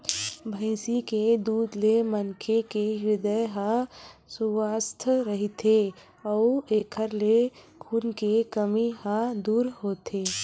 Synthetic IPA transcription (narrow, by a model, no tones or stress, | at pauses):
bʱəɪsiked̪uːd̪lemənkʰekejɪd̪əjɦãsʊwaːst̪ʰɾəɦit̪ʰe | ɔːeːkʰəɾle | kʰuːnkekəmihãd̪uːɾɦoːt̪ʰeː